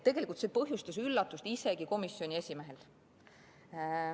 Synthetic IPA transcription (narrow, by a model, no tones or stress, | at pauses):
t̪e̞ɡ̥e̞lʲikult̪sepɤɦjust̪ɑsylːɑt̪ːˑust̪ise̞ɡ̥iko̞misːio̞nʲie̞sʲime̞ɦe̞l